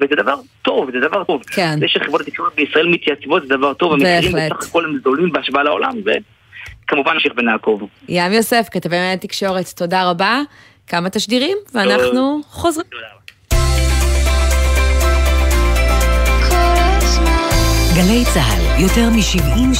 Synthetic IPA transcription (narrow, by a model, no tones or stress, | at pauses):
vezed̪avaʁt̪o̞vzed̪avaʁtovkʰenzeʃeχivbotat̪ikʃo̞ʁet̪̚beisʁaʔelmit̪jat͡svot̪zed̪avaʁt̪ovemebkieʁimleeaχako̞lhemzolimbeaʃbaalao̰la̰mvḛ | kamuvanmʃiχbenaːkovjamjo̞se̞fkat̪avemajat̪ikʃo̞ʁetːo̞daʁaba | kamat̪aʃdiʁimveanaχnuχozʁidaa | kʰo | ɡalejt͡saa̰ljot̪e̞ʁmiʃivɡun